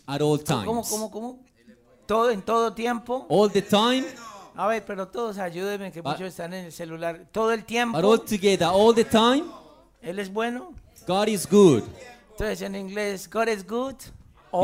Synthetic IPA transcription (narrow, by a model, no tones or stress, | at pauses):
aɾɔltʰã̰komokomokomo | t̪oðent̪oðot̪je̞mpo̞ɔlˠðətʰãɪ̃maβeɾpe̞ɾo̞t̪oðos̬aʝuðemekemut͡ʃosest̪anenelselulaɾt̪oðoe̞lt̪je̞maɾɔltʰɨɡɛðəɔlˠðətʰãɪ̃m | e̞le̞zbwe̞no | ɡ̥ɑɾɪzɡudent̪onses̬eniŋɡlesɡaɾezɡud̪ | o